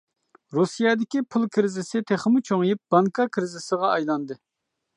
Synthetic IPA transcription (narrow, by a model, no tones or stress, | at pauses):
ɾusijɑd̪ɪkʲipʰulˠkʲʰiɾɪzɪsɪt̪ʰeχəmut͡ʃʰoŋjip̚bɑŋkʰɑkʲʰɾɪzɪsəʁɑɑjlˠɑnd̪ɨ